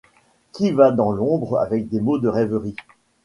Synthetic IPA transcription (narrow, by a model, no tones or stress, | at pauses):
kʲivad̪ɑ̃lɔ̃bʁa̰vɛk̚d̪emod̪əʁɛvəʁi